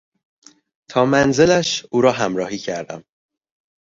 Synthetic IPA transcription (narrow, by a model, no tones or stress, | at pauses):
t̪ʰɒːmænze̞læʃuːɾɒːɦæmɾɒːhiːcʰæɾd̪æ̰m